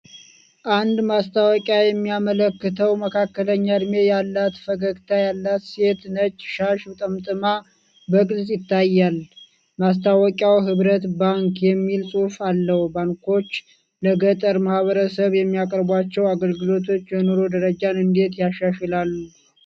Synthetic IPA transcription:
ʔand̪mast̪ʰawɔkʼjajɛmːijamələkːɨt̪ʰəwməkʰakːələɲːad̪me̞jalːat̪fəɡəkt̪ʰajalːat̪se̞t̪nət͡ʃʼːʃaʃɨt̪ʼəmt̪ʼɨma | bəkʼlsʼjɪt̪ʰːajːal | mas̬t̪ʰawɔkʼawɦɨβɾət̪baŋkjɛmːilsʼufalːəhbaŋko̞t͡ʃː | ləɡət̪ʼəɾmahβəɾəsəβjɛmːijakʼəɾbwat͡ʃːɛwaɡəlɡɨlo̞t̪ʰo̞t͡ʃːjɛnoɾo̞d̪əɾəd͡ʒanɨnd̪e̞t̪jaʃaʃɛlalːu

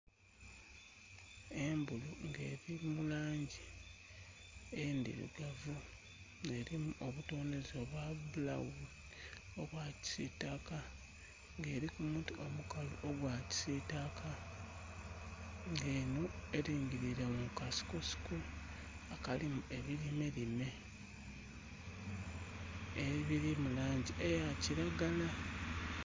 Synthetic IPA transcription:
e̞mbuluŋɡe̞ːɾimulaːɲɟi | endḭɾḭɡavu | ne̞ɾimuʔo̞βuto̞ːne̞zo̞ːβwaβula̰wi | o̞βwaːci̥sitaka | ŋɡe̞ːɾikumutiomukaluʔoɡwaːci̥sitakʰa | ŋɡe̞ːnoeɾiːɲɟiɾiɾamukasi̥kosi̥ku | akalimue̞βiɾimeɾime̞ | eβiɾimulaːɲɟiʔejaciɾaɡala

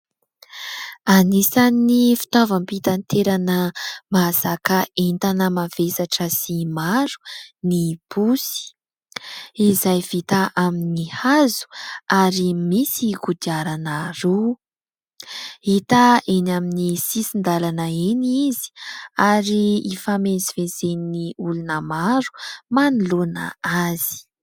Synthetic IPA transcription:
anisanːifi̥t̪ovəmpit̪ant̪eɾanəmasakəʔent̪anəmavesaʈ͡ʂəsimaɾu̥nib̥usi̥ | izajv̥it̪aʔaminihazu̥aɾimisiɡud̪iaɾanəɾu | it̪aʔenaminisisind̪alanəenizi̥aɾiifamezivezeniniulunəmaɾu̥manulonə̰az̥i̥

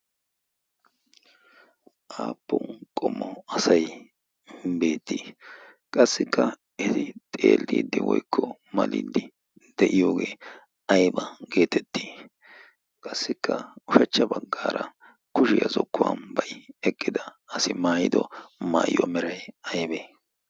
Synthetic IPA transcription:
ʔaːpːɔkʼɔmːɔɐsɐj | be̞ːt̪ːiː | kʼɐsːɪkːɐ | ɪt̪ɪt̪ʼḛːld̪iːd̪ːɪwɔ̰jkʰːɔ | mɐliːd̪ɪ | d̪̥ɛʔɪjoːɡeː | ɐjbɐɡe̞ːt̪ɛt̪ːiː | kʼɐsːɪkʰːɐʊʃɐt͡ʃːɐbɐɡːaːɾɐ | kʊʃɪjɐzɔkːʊwɐnbɐjɛkʼːɪd̪ɐːsɪmaːjɪd̪ɔmaːjjɔmɛɾɐjɐjbeː

